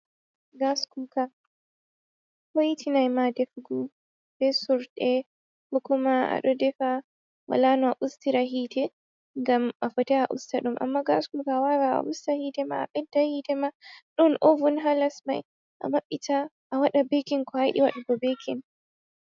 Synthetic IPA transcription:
ɡaskuka | hojitʰinajmadɛfɡu | bɛsuɾdɛ | hɔkɔmaa̰ɗɔdɛfa | wa̰lanɔaʔustiɾaɦiːtɛ | ŋɡamafɔtɛaʔṵstaɗumʔa̰mːaɡaskukawawaa̰ʔustahitɛma̰ːɓɛdːahitɛmaɗɔnʔɔvunɦalasma̰j | ʔa̰maɓːita | ʔːwaɗabekinkɔhajɗḭwa̰ɗuɡɔbekʰin

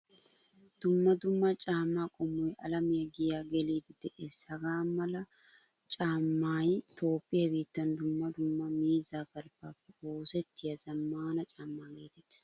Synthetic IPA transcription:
d̪̥ʊmːɐd̪ʊmːɐt͡ʃʼaːmːaːkʼɔmːɔjʔɐlɐmɪjɐɡɪjaːɡɛliːd̪ɪd̪̥ɛʔeːshɐɡaːmɐlɐ | t͡ʃʼaːmːaːjt̪ʰo̞ːpʼːɪjɐbiːt̪ːɐnd̪ʊmːɐd̪ʊmːɐmiːzaːkɐlpːaːpːɛoːsɛt̪ːɪjɐzɐmːaːnɐt͡ʃʼaːmːaːɡeːt̪ɛt̪ːɪ̥

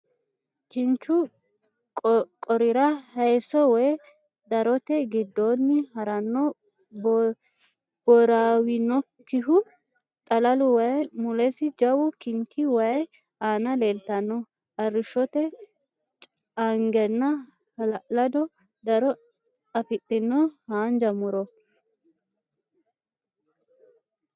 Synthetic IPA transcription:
kɪnt͡ʃʊ | kʼɔɾɪɾɐhɐjsɔwɔj | d̪ɐɾɔt̪ɛɡɪd̪ːoːnːɪhɐɾɐnːɔ | b | b̥ɔɾaːwɪnɔ | kːɪɦʊ | t̪ʼɐlɐlʊwɐjɛmʊlɛsɪd͡ʒɐwʊkɪŋkʰɪwɐjɛ | aːnɐle̞ːlt̪ɐnːɔ | ɐrːɪʃɔt̪ɛ | ɐŋɡɛnːɐ | lɐd̪ɔ | d̪ɐɾɔ | ɐfɪtʼːɪnːɔhaːnd͡ʒɐmʊɾɔ

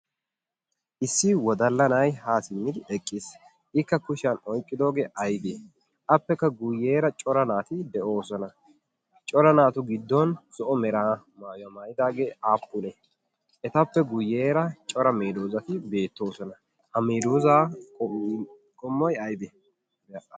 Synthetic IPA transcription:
ʔɪsːɪwɔd̪ɐlːɐnɐjhaːsɪmːɪd̪ɪɛkʼːɪs | ʔɪkːɐkʊʃɐnɔjkʼːɪd̪o̞ːɡeːʔɐjd̪eː | ʔɐpːɛkːɐɡʊjːeːɾɐt͡ʃʼɔɾɐnaːt̪ɪd̪ɛʔo̞ːsɔnɐ | t͡ʃʼɔɾɐnaːt̪ʊɡɪd̪ːɔnsɔʔɔmɛɾaːmaːjʊɐmaːjɪd̪aːɡeːaːpːʊnɛ | ʔɛt̪ɐpːɛɡʊjːeːɾɐt͡ʃʼɔɾɐmeːd̪oːzɐt̪ɪbe̞ːt̪ːo̞ːsɔnɐ | hɐmeːd̪oːzaː | kʼɔmːɔjɐjd̪e

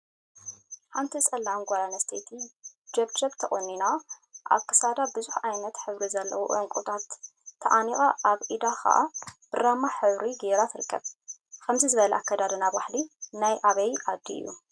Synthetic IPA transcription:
ħant̪ʰisʼɐlːanɡʷalanɐst̪ʰet̪ʰid͡ʒɐβd͡ʒɐβt̪ʰɐχʼunːinaʔa̰kːɨ̥sad̪abɨzuħajnɐt̪ħɨβɾizɐlːɐ̰wuʔɐŋkʷʼut̪ʰat̪ʰː | ɐ̰ʔanixʼaʔaβʔid̪axʰa̰ʔa̰b̥ɨɾamaħɨβɾiɡeɾat̪ʰɨɾɨkʰːɐβkʰɐmzizɨβɐlɛʔakːɐd̪ad̪ɐnaβaħlinajʔaβɐjʔad̪ːḭɨ̰jːṵ

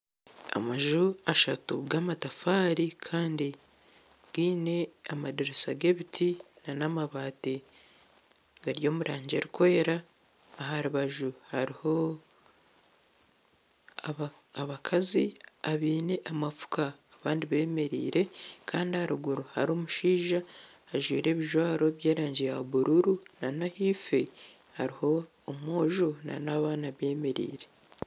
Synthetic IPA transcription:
a̰maʒuaʃatṵɡamatafaːɾikʰaːndi | ɡ̥iːne̞amadiɾesaɡe̞βitʰi | nanamaβaːte | ɡaɾjo̞ːmuɾʔaːɲɟeɾikoe̞ɾaː | ɦaɾuβaʒuhaɾiho̞ | a | aβakʰaziaβiːneʔamafu̥kaːβaːndiβe̞ːme̞ɾḭːɾe̞kaːndiahaɾuɡuɾuhaɾoːmuʃiːʒaː | ʒwḭːɾe̞ːβiʒwaːɾo̞βjeːɾaːɲɟijaβuɾuɾunanahife | haɾiho̞ː | mo̞ːʒona̰naβaːnaβe̞ːme̞ɾḭːɾe̞

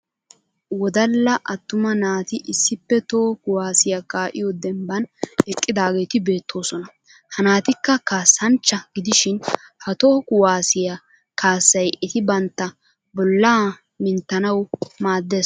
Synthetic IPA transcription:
wɔd̪ɐlːɐʔɐt̪ːʊmɐnaːt̪ɪʔɪsːɪpːɛt̪oːkʊwaːsɪjɐkaːʔɪ̰jod̪ɛmbɐnɛkʼːɪd̪aːɡe̞ːt̪ɪbe̞ːt̪ʰːo̞ːsɔnɐ | hɐnaːt̪ɪkːɐkaːsːɐnt͡ʃːɐɡɪd̪ɪʃɪnhɐt̪o̞ːkʊwaːsɪjɐ | kaːsːɐjɛt̪ɪbɐnt̪ːɐ | bɔlːaː | mɪnt̪ːɐnɐwmaːd̪ːeː

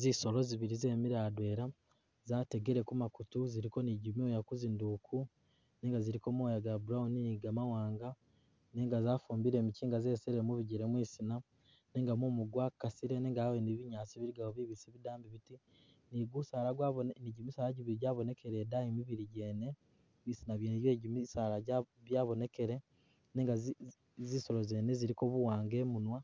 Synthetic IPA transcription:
ziso̞lo̞ziβiɾize̞ːmiɾaːdwe̞ːɾa | zaːte̞ɡeɾe̞kumakutuziɾiko̞niɟimiojakuzindukʰu | neːŋɡaziɾiko̞mojaɡabuɾauniiɡamawaːŋɡa | neŋɡazaːfuːmbiɾe̞ːmiciːŋɡaze̞ːseɾemuβiɟeɾemwiːsina | ne̞ːŋɡamumuɡwakasiɾe̞neŋɡaweniβiɲaːt͡siβiɾiɡahoβiβiseβidaːmbiβiti | niɡusaːlaɡwaniɟimisaːlaɟiβiɾiɟaːβo̞ne̞kʰe̞ɾe̞ːdaimiβiɾiɟe̞ːne̞ | misinaβjeːneɟeɟimisalaɟaβjaːβo̞ne̞ke̞ɾe̞ | ne̞ːŋɡa | ziso̞ɾoze̞ːne̞ziɾiko̞βuwaːŋɡe̞munwa

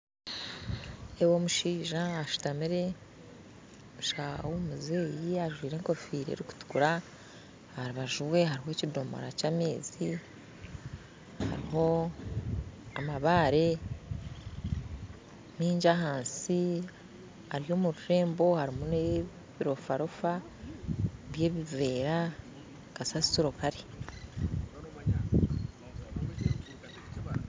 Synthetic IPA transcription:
ewo̞muʃiːʒaːʃu̥tamiɾe̞ | omuʃahawomuze̞ːjiaʒwiːɾe̞ːŋko̞fiːɾḛɾiku̥tu̥kuɾa | haɾiβaʒuwe̞ɦaɾiɦo̞cidomo̰ɾacaːme̞ːzi | ha̰ɾiho̞ | amaβaːɾe̞ | miːɲɟaɦaːnsi | aɾijo̞ːmuɾuɾe̞ːmbo̞haɾimune | βiɾo̞faɾofa | βje̞ːβive̞ːɾa | kasasi̥tiɾokaɾi

